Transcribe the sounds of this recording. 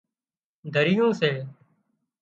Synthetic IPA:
d̪ʱəɾɪjõːseː

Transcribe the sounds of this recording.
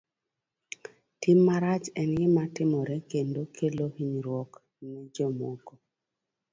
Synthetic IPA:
timːaɾat͡ʃɛnɡɪmatɪmɔɾɛkendokʰelohiɲɾwɔk | nɛd͡ʒɔmoko

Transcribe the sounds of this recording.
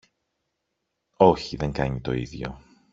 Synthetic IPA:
oçiðe̞ŋɡɐɲit̪o̞̰iðʝo̞̰

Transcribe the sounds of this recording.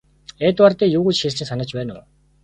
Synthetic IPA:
eːt̪art̪eːjuːɣut͡ɕxest͡ɕʰĭsanə̆t͡ɕpæːnʊ̰

